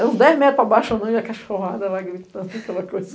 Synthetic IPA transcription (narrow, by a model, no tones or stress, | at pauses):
ũd̪ɛzmɛt̪ɾpabaʃɐnɐ̃w̃iɐkaʃoɦad̪ɐlaɡɾit̪ɐ̃nd̪ʊɐkɛlɐkojzɐ